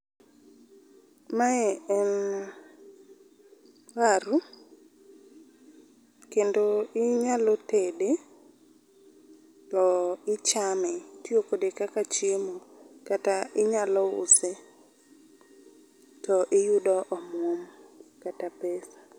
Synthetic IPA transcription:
maɛɛn | waɾʊ | kendoɪɲalɔtede | tɔɪt͡ʃamɛtjokodekakat͡ʃɪmɔkataʔɪɲalɔʊ̰se | tɔʔɪjudɔʔɔmomkatapesḁ

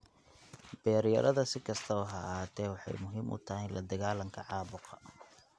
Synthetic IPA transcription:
b̥ɛːɾjɐ̰ɾʔɐðɐsɪkʰɐst̪ʰɐʊɦɐaːt̪ʰɛːwɑħɑ̰jmʊɦiːmʔʊ̰t̪ʰɐɦɛjlʔɐd̪ɐɣaːlɐŋkʰɐʕɑːβʊqɐ̥

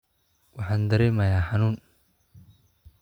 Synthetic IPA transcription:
wɑħɑːnd̪ɐɾɛmɐjaːħɑnuːn

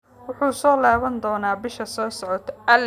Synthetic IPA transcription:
wʊħuːsɔːlaːβɐnd̪ɔːnaːbɪʃɐsɔːsɔʕɔt̪ʰʔɐl

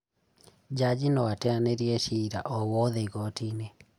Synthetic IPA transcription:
d͡ʒad͡ʒinɔwatɛaneɾjɛʃiɾaʔɔwɔðeɣɔtine

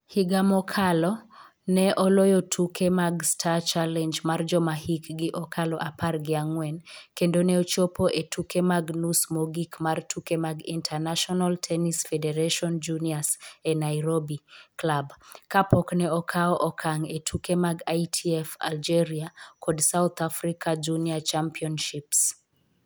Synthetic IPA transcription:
hiɡamɔkʰalɔ | nɛʔɔlojotʰukʰemaɡstʰat͡ʃalɛnd͡ʒmard͡ʒɔmahikɡɪʔɔkʰalɔʔaparɡɪaŋwɛnkendonɛot͡ʃopoʔetʰukemaɡnusmoɡikmartʰukemaɡintʰanaʃɔnaltʰɛnisfɛdɛɾaʃɔnd͡ʒuniasɛnajɾobiklabkapɔknɛɔkʰaɔʔɔkʰaŋetʰukemaɡajtʰiɛfa̰ld͡ʒɛɾiakʰɔdsawt̪ʰafɾikʰad͡ʒuniat͡ʃampiɔnʃips

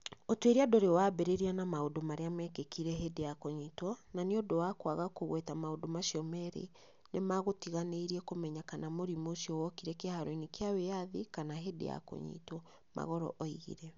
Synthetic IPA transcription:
otweɾiadoɾewaːbɛɾeɾianamaodomaɾeamɛkekiɾɛɦedejakoɲitwɔnaneodowakwaɣakoɣwɛtamaodomaʃiɔmɛɾḛ | nemaɣotiɣaneiɾiɛkomɛɲakanamoɾimoʃiɔwɔkiɾɛkehaɾoinikeawejaðikanaɦedḛja̰ko̰ɲḭtwɔ | ma̰ɣɔɾɔ̰ʔɔiɣḭɾɛ

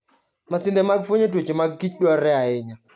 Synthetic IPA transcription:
masɪndɛmaɡ̚fwoɲet̬wot͡ʃemaɡːit͡ʃɗwɔɾːɛaɪɲa

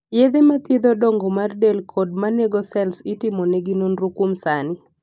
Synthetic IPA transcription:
jed̪emat̪ɪd̪ɔdɔŋɡɔmardelkʰɔd̚maneɡɔsɛlsɪtɪmɔneɡɪnonɾukumsanɪ

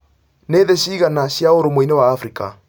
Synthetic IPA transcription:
neːðeɕiːɣanaɕjaoɾomoinewaːfɾika̰

